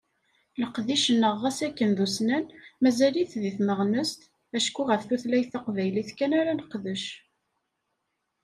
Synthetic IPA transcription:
ləqðiʃənːəʁːæsækːənðusnænmæzæliθðiθnəʁnəst̪ | æʃkuʁəfθuθlæjθɑqvæjliθkænæɾænəqːðəʃ

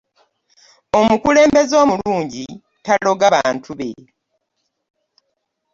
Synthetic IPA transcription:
o̞mukule̞ːmbe̞zo̞ːmuluːɲɟi | talo̞ɡaβa̰ːntʰuβe̞̰

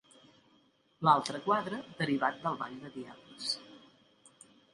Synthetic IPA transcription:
lalˠt̪ɾəkwaðɾəd̪əɾiβat̪̚d̪əlˠβa̰ʎd̪əðiaβləs

